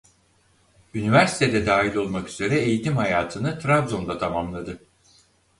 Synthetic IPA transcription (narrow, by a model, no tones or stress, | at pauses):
ynivæɾsi̥t̪ʰe̞d̪ɛd̪aːɦilʲo̞lˠmakyz̥e̞ɾɛejit̪ʰimhajaːt̪ʰɯnɯt̪ʰɾabzo̞nd̪at̪ʰamamlˠad̪ɯ